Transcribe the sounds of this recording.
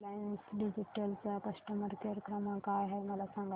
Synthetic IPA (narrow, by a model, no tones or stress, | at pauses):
lansɖid͡ʒiʈəlsɐkɐsʈəməɾkeɾəkɾəmãkaɦɛmɐlasə̃ŋɡ